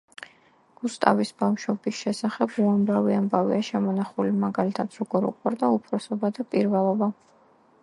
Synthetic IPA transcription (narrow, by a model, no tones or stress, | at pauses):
ɡ̥ust̪ʼa̰visbamʃwɔbisʃɛsaχɛbuamɾaviambavḭaʃɛmɔnaχulimaɡalit̪ʰad̪̥ɾɔɡɔɾṵqʼwaɾd̪aupʰɾɔsɔbad̪apʼiɾvɛlˠɔba